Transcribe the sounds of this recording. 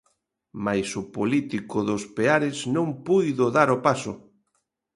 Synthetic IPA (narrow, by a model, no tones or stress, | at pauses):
majsʊpolit̪ikʊðʊspeaɾɪznõŋpujðʊðaɾʊpasʊ